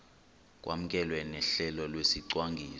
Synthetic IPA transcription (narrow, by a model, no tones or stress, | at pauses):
k̬ʼwʔa̰m̩k̬ʼɛlwennɛɬɛlɔlwesiǀwaŋɡʱiː